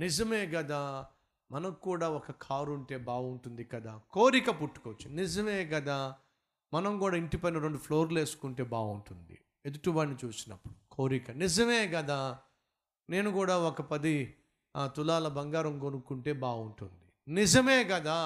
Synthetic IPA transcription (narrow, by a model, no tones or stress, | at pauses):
nid͡ʒɐme̞ːɡɐd̪aː | mɐnɐkːuːɽaːɔkɐkʰaːɾuɳʈe̞ːbaːʋuɳʈund̪ikɐd̪aːkoːɾikɐpuʈːu̥kot͡ʃːunid͡ʒɐme̞ːɡɐd̪aː | mɐnɐmkuːɽaːiɳʈipɐnɐɾoɳɖupʰloːɾleːsu̥kuɳʈe̞ːbaːuɳʈund̪ḭ | ed̪uʈubɐːnːit͡ʃuːsinɐpːuɽukoːɾikɐnid͡ʒɐme̞ːɡɐd̪aː | ne̞ːnukuːɽaːɔkɐpɐd̪i | t̪ulaːlɐbɐŋɡaːɾɐmkonukuɳʈe̞ːbaːuɳʈund̪inid͡ʒɐme̞ːkɐd̪aː